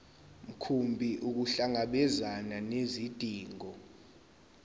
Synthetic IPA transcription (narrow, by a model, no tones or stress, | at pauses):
m̩kʰumbʱiʔuk̬uɬaŋaɓɛzananezid̥ʱʼiːŋɔ